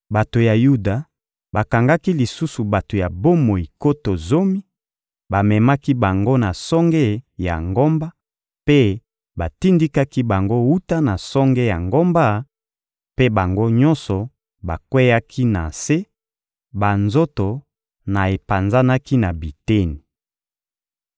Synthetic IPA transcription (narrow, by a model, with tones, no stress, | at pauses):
ba˨to˨ja˨ju˦da˨ | ba˨ka˨ŋɡa˦ki˦li˨su˦su˨ba˨to˨ja˨bo˦mo˨i˨ko˦to˨zo˦mi˦ | ba˨mɛ˨ma˦ki˦ba˨ŋɡo˦na˨sɔ˦ŋɡɛ˦ja̰˨ŋɡo˦mba˦ | pe˦ | ba˨ti˦ndi˦ka˦ki˦ba˨ŋɡo˦u˦ta˦na˨sɔ˦ŋɡe˦ja̰˨ŋɡo˦mba˦ | pe˦ba˨ŋɡo˦ɲɔ˦nsɔ˨ | ba˨kwe˦ja˦kʰi˦na˨se˦ | ba˨nzo˦to˨ | na˨e˨pa˨nza˦na˦ki˦na˨bi˨te˦ni˨